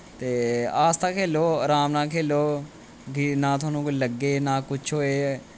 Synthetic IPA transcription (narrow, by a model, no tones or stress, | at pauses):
t̪eːaːst̪ãːkʰeːloːɾaːmnãːkʰeːloː | ɡɪnãːt̪̬ʰʊaːnũːkoləɡːeːnãːkʊt͡ʃʰɦoːeː